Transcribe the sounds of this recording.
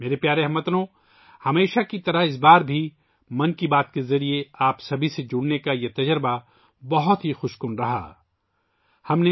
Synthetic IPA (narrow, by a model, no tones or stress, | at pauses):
meːɾepjaːɾeɦɐmːɐt̪nõ | hɐmeːʃakit̪ɐɾɐɦɪs̬baːɾbʱi | mɐnkibaːt̪kezɐɾieaːpsɐbʱised͡ʒʊɽnekajet̪ɐd͡ʒəɾba | bɐɦʊt̪ɦixʊʃkʊnɾɐɦa̰ː | hɐmne